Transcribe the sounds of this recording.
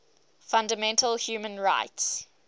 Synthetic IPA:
fãndəmɛ̃ntʰəlhjuːmə̃nɹa̰ɪts

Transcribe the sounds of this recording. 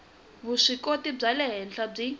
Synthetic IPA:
βuʂikotib͡ʐalɛɦɛnɬʰab͡ʐi

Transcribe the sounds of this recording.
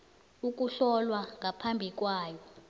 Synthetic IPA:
uk̬ʼuɬɔlwaŋapʰambʱik̬ʼwaːjɔ

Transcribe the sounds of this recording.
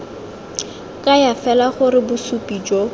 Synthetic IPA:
kʼajafɛlaχʊɾɪbʊsupʼiːd͡ʒɔ

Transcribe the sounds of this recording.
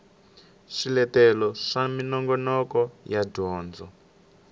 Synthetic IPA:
ʃilɛtɛlɔʂaminɔŋɡɔnɔkɔjadʱɔːnd͡zɔ

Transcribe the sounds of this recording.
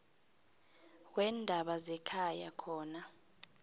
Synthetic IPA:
k̬wɛːndʱaɓazɛkʰajakʰɔːna

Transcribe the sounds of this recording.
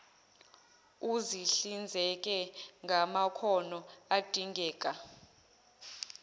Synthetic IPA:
uziɬind͡zʱɛk̬ʼɛŋʱamakʰɔnɔad̥ʱiŋʱɛːk̬ʼa

